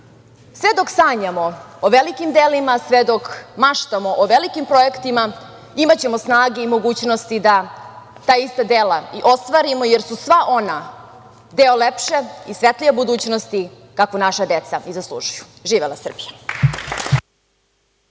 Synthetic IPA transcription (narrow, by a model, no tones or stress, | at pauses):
sʋed̪o̞ksaːɲamo̞oʋelikimd̪eːlimasʋed̪okmaʃt̪amo̞ʔoʋelikimpɾo̞ekt̪ima | imat͡ɕe̞mosnaːɡeimo̞ɡuːt͡ɕnost̪id̪a | t̪aːist̪ad̪eːlaiʔo̞st̪ʋaɾimojeɾsusʋaʔo̞na | d̪eolepʃe̞isʋet̪liʋebud̪uːt͡ɕnost̪i | kakonaʃad̪et̪saizaslˠṵʒuju̥ʒiːʋelasr̩bija